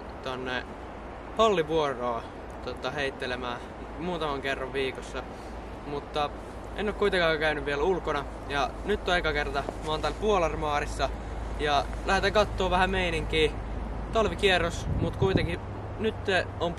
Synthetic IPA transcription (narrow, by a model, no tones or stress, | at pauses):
t̪onːe | hɑlːiʋuoroː | t̪ot̪ɑheit̪ːelemæː | muːt̪ɑmɑŋkerːɑʋʋiːkosːɑ | mut̪ːɑ | enːoːˑkuit̪eŋkɑːkæynyʋʋielulkonɑ | jɑnyt̪ːoekɑkert̪ɑmɑːnt̪ælpuolɑrmɑːrisːɑ | jɑ | læhet̪ækɑt̪ːoːʋæhæmeiniŋkiː | t̪ɑlʋikierːosmut̪kuit̪eŋki | nyt̪se | om